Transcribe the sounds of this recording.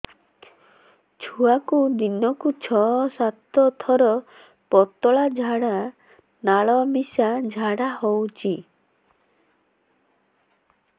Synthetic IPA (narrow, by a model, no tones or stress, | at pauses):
t͡ʃʰuakud̪inɔkut͡ʃʰɔsat̪ɔt̪ʰɔɾɔ | pɔt̪ɔɭad͡ʒʱaɽa | naɭɔmisad͡ʒʱaɽahowt͡ʃʰi